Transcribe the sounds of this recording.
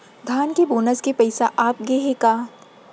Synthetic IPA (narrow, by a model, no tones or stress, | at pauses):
ɡʱaːnkeboːnəskepɐɪsaʔaːp̚ɡeɦekaː